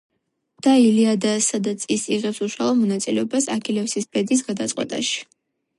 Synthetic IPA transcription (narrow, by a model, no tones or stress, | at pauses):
d̪̥ailiad̪asad̪at̪sʰisiʁɛpsuʃwalˠɔmɔnat̪sʼilɛɔbasa̰kʰilɛfsisbɛd̪is̬ɡad̪at̪sʼqʼwɛ̰t̪ʼa̰ʃi̥